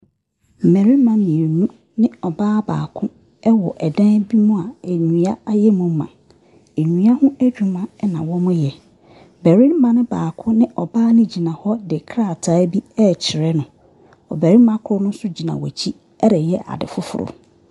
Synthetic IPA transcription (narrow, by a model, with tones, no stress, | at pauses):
m̩˨mɛ˨ɾi˦mã˨mĩ˨e˨nũ˦ | nɪ̃˦ɔ˨baː˦ba̰ː˨kʰʊ̃˦ | ɛ˦wɔ˨ʔɛ˨dã˦n˦bi˦mʊ̃˦a˨e˨ɲũ˨˦a˦a˦jɛ˦mʊ̃˨˦mã̰˨ | e˨ɲũ˨˦a˦hʊ̃˦æ˦d͡ʑᶣu˨mã˦ɛ˦nã˨wɔ˦mʊ̃˦jɛ˨ | bæ˨ɾĩ˦m˦mã˨nɪ̃˦baː˨kʰʊ̃˦nɪ̃˦ʔɔ˨baː˦nɪ̃˦d͡ʑi˨nã˨hɔ˦dɪ˨kʰɾa˦˨tʰaː˨˦bi˦ɛ˦˨t͡ɕʰɪ˨ɾɛ˦nʊ̃˨ | ɔ̰˨bæ˨ɾĩ˦mã˦kʰʊ˦nʊ̃˦sʊ˦d͡ʑi˨nã̰˨wɔ̰˨t͡ɕʰi˦ | ɛ˦ɾɛ˨jɛ˦ʔa̰˨dɪ̰˨fʊ˦fʊ̰˨ɾʊ̰˨